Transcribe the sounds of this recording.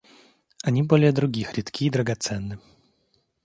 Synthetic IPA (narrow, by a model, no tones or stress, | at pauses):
anʲibolʲɪjəd̪ɾʊɡʲixɾʲit̪kʲʰiːd̪ɾəɡat̪sɛnːɨ